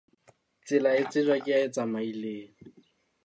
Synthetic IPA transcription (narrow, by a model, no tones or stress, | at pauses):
t͡sɪlaɪt͡sɪt͡ʃwakʼɪaɪt͡samaileːŋ̩